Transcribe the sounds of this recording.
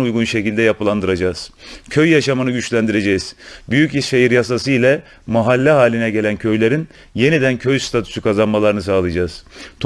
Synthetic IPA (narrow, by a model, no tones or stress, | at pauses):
ujɡunʃe̞cilʲd̪ɛjapɯlˠand̪ɯɾad͡ʒaːz̥cʰøjːaʃamanɯɟyt͡ʃlʲænd̪iɾe̞d͡ʒɛz̥byjyciʃejiɾjas̬asɯilʲɛ | maɦalʲːɛɦaːlʲinɛɟe̞lʲæncʰø̞jlʲe̞ɾin | je̞nid̪æncʰøjst̪ʰat̪ʰu̥sykʰazanmalˠaɾɯnɯs̬aːlˠɯjd͡ʒaːz̥t̪ʰ